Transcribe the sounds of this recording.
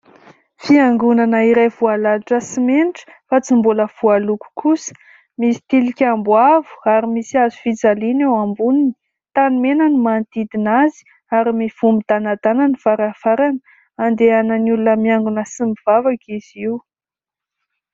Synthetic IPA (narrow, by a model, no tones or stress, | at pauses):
fiaŋɡunanəiɾajvualaaʈ͡ʂəsimenʈ͡ʂə̥ | fat͡simbuləv̥ualuku̥kʰusə̥ | misi̥t̪ilikʲambwavu̥aɾimisiazufid͡zalinewambunini̥ | t̪animenanimant̪id̪inazi̥ | aɾimiv̥umbid̪anad̪ananivaɾafaɾanə | and̪eanənulunəmiaŋɡunəsɨmiv̥avakiz̥iw